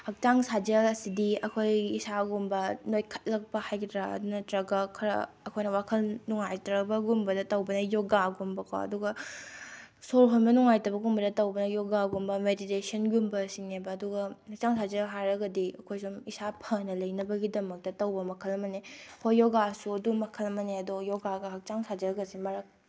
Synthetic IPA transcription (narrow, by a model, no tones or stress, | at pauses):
hɐk̚t͡ʃaŋsad͡ʒɐlɐsidiɐkʰojisaɡumbɐnojkʰɐ̥t̚lɐk̚bɐhajkʰtɾaɐ̰dunɐtɾɐɡɐkʰɐɾɐ̰ | ɐkʰojnɐwakʰɐlnuŋajtɾɐbɐɡumbɐdɐtɐwbɐnɐjoɡaɡumbɐkʰo̰ɐ̰duɡɐ | soɾɦonbɐnuŋajtɐbɐɡumbɐdɐtɐwbɐnɐjoɡaɡumbɐmeditesɐnɡumbɐsiŋnebɐːduɡɐhɐk̚t͡ʃaŋsʰazɐɦaɾɐɡɐdiɐkʰojsumisapʰɐnɐlɐjnɐbɐɡidɐmɐk̚tɐtɐwbɐmɐkʰɐlɐmɐnekʰojːoɡasuɐdumɐkʰɐlɐmɐneɐdojɔɡaɡɐɦɐk̚t͡ʃaŋsad͡ʒɐɾɐɡɐsimɐɾɐk̚